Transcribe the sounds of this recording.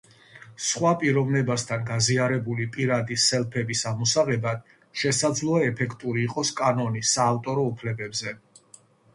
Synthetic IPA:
sχwapʼiɾɔvnɛbast̪ʰanɡaziaɾɛbulipʼiɾad̪isɛlˠpʰɛbisamɔsaʁɛbad̪̥ | ʃɛsad̪zlˠɔaɛpʰɛkʰt̪ʼuɾiːqʼɔskʼanɔnisaːft̪ʼɔɾɔupʰlɛbɛbzɛ

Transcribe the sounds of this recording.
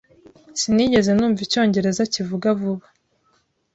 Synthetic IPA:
siniɟe̞ze̞nuːɱvico̞ːɲɟe̞ɾe̞zacivuɡavuβa

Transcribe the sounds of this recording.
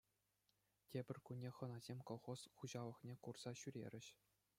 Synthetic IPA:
tʲebʲɘ̆rʲkunʲːeχɤ̆nɑzʲemʲkoχosχuʑɑlˠɤ̆χnʲekurz̥ɑɕyɾʲḛɾʲɘ̆ɕ

